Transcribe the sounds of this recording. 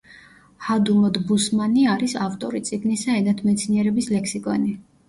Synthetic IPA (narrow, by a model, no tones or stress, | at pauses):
had̪umɔd̪busmaniaɾisaft̪ʼɔɾit̪sʼiɡnisaɛnat̪ʰmɛt̪sʰniɛɾɛbislɛksikʼɔni